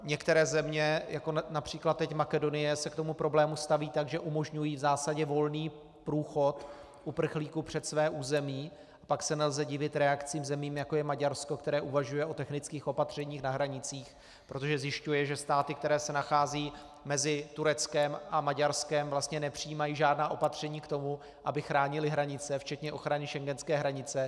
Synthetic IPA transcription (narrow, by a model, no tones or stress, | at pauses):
ɲɛkt̪ɛɾɛːzɛmɲɛjako̞napr̝̥iːklat̪t̪ːɛcmakɛdo̞nɪjɛsɛkt̪o̞mupɾʔo̞blɛːmust̪aviːt̪aɡʒɛʔumo̞ʒɲujiːvzaːsaɟɛvo̞lniː | pɾuːxo̞t̪ | ʔupr̩xliːkupr̝̥ɛt̪svɛːʔuːzɛmiː | ʔapaksɛnɛlzɛɟɪvɪt̪ɾɛakt͡siːmzɛmiːmjako̞jɛmaɟaɾsko̞kt̪ɛɾɛːʔuvaʒujɛʔo̞t̪ɛxnɪt͡skiːxʔo̞pat̪r̝̥ɛɲiːxnaɦɾaɲɪt͡siːx | pɾo̞t̪o̞ʒɛzjɪʃcujɛʒɛst̪aːt̪ɪkt̪ɛɾɛːsɛnaxaːziː | mɛzɪt̪uɾɛt͡skɛmʔamaɟaɾskɛmvlast̪ɲɛnɛpr̝̥ijiːmajiːʒaːdnaːʔo̞pat̪r̝̥ɛɲiːkt̪o̞mu | ʔabɪxɾaːɲɪlɪɦɾaɲɪt͡sɛft͡ʃɛt̪ɲɛʔo̞xɾanɪʃɛŋɡɛnskɛːɦɾaɲɪt͡sɛ